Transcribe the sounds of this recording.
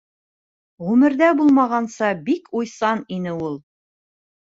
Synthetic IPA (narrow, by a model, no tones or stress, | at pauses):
ʁʉmɘ̆ɾðæbulˠmɑʁɑnsɑbikʰujsɑninɘulˠ